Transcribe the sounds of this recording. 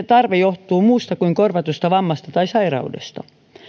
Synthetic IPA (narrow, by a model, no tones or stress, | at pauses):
et̪ɑrʋejoht̪uːmuːst̪ɑkuiŋkorʋɑt̪ust̪ɑʋɑmːɑst̪ɑt̪ɑisɑirɑ̰udḛst̪ɑ̰